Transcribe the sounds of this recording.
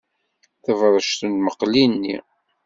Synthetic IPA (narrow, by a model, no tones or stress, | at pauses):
θəvɾˤəʃt̪ənməqlinːḭ